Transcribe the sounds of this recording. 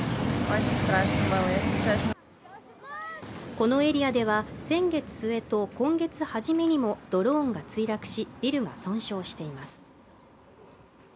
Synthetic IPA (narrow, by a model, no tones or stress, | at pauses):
maiɕɨskaɾaɕi̥t̪emaest͡ɕa | ko̞no̞e̞ɾʲiad̪e̞β̞asẽ̞ŋɡe̞t͡sɨ̥sɨe̞t̪o̞kõ̞ŋɡe̞t͡sɨhaʑime̞ɲ̟imo̞d̪̥o̞ɾõ̞ːŋɡat͡sɨiɾakɯ̟̥ɕibʲiɾɯ̟ɡasõ̞ɰ̃ɕo̞ːɕi̥t̪e̞imasɨ̥